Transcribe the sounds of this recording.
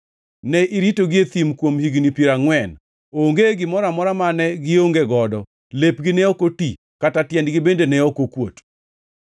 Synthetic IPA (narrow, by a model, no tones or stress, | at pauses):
nɛʔiɾitoɡɪet̪imkwomhiɡnipiɾaŋwɛn | oŋɡeɡɪmɔɾamɔɾamanɛɡɪoŋɡeɡɔdɔ | lepɡɪnɛɔkoti | katatjɛndɡɪbendenɛɔkokwo̰t